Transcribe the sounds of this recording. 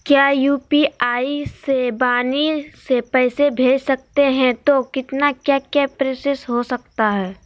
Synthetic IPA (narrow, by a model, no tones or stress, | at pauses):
kjaːjuːpiaːisebaːnisepɛːsebʱeːd͡ʒsɐk̚t̪eɦɛ̃t̪okɪt̪nakjakjapɾeːsəsɦosɐkt̪aɦɛː